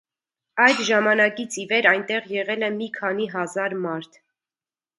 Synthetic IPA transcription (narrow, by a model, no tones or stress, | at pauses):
ɑjd̪ʒɑmɑnɑkit͡sʰivɛɾɑjnt̪ɛʁjɛʁɛlɛmikʰɑniɦɑzɑɾmɑɾt̪ʰ